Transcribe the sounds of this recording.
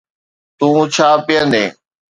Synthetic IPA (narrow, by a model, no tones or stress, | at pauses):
t̪ũːt͡ʃʰaːpɪjənẽː